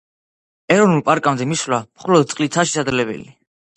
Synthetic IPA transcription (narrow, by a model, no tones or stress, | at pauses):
ɛɾɔvnulˠpʼaɾkʼamd̪ɛmislamχɔlɔd̪̚t̪sʼlit̪sʰaʃɛ̥sad̪ɾlɛbɛ̰li